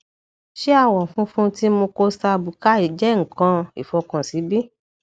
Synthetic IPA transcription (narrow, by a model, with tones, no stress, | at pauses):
ʃe˦a˦˧˨wɔ̃˨fũ˦fũ˦ti˦mo˧ko˧sa˧bu˨ka˦i˨d͡ʒɛ˦ŋ̩˨kã˧i˨fɔ˧kã˨si˨˦bi˦